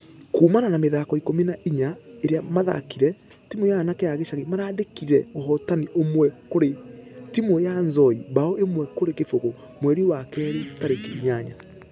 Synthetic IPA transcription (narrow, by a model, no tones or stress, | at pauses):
kuːmananameðaːkɔikominaʔiɲaeɾeamaða̰kiɾɛ | timojanakeaɣeʃaɣemaɾaːdekiɾɛoɦɔtaniʔomwɛkoɾetimojanzɔibaoʔemwɛkoɾekefoɣo | mwɛɾiwakɛːɾitaɾekeiɲaɲa